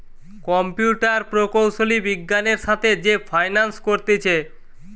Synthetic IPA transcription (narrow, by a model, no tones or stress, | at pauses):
kɔmpjuʈaɾpɾokowʃolibiɡːaneɾʃat̪ʰed͡ʑefʰajnanskoɾt̪et͡ɕʰe